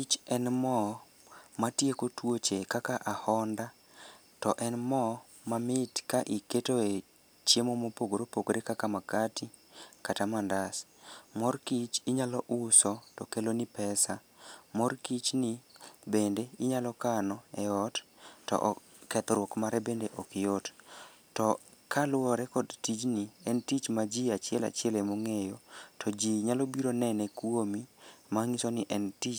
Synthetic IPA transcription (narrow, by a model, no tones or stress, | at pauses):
it͡ʃɛnmɔ | matjekotwot͡ʃekakaʔahɔnda | tɔʔɛnmɔ | mamɪtkaʔiketoe | t͡ʃjemomopoɡoɾopoɡoɾekakamakati | katamandasmɔrkit͡ʃiɲalɔʔʊsɔtɔkelonipɛsa | mɔrkit͡ʃnɪbendeɪɲalɔkanɔɛɔttɔ̰ʔ | kɛt̪ɔɾwɔkmaɾɛbendeʔɔkɪɔt | tɔ | kalʊwɔɾɛkɔdtit͡ʃniɛntit͡ʃmad͡ʒiat͡ʃɪɛla̰t͡ʃɪɛlɛmoŋejotʰɔd͡ʒiɲalobiɾonɛnɛkwomimaŋisonɪʔɛntit͡ʃ